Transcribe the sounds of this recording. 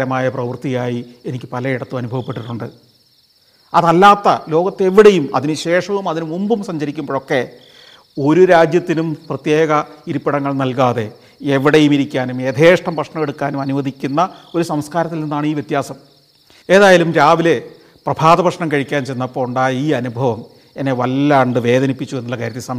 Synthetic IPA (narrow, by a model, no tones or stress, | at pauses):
ɾɐmaːjɐprɐʋɐrt̪ijaːjienikʲːɨpɐlɐiɽɐt̪ːumɐnubʱɐʋɐpːe̞ʈːiʈːuɳɖɨ | ɐðɐlːaːt̪ːɐ̰lo̞ːɡɐt̪ːe̞ʋiɽe̞jumɐ̰ðinɨɕe̞ːʂɐʋumɐðinumumbumsɐɲd͡ʑɐɾikʲːumbo̞ːɭokːe̞ | o̞ɾuɾaːd͡ʑjɐt̪ːinumprɐt̪je̞ːɣɐiɾupːiɽɐŋːɐɭnɐlkaːðe̞ | eʋiɽejumiɾikʲːaːnumed̪ʰʱeːʂʈɐmprɐʂɳɐmeɽukːaːnumɐnuʋɐd̪ʱikʲːunːɐo̞ɾusɐmskaːɾɐt̪ːilninːaːɳiːʋjet̪jaːsɐm | e̞ːðaːjalumɾaːʋile̞ | prɐbʱaːðɐbɐʂɳɐmkɐɻikʲːaːnt͡ɕejnːɐpːoːuɳɖaːjiːɐnubʱɐʋɐm | e̞nːe̞ʋɐlːaɳɖɨʋe̞ːd̪ɐnipːit͡ɕːue̞nːulːɐkaːjɾɐt̪ːisɐm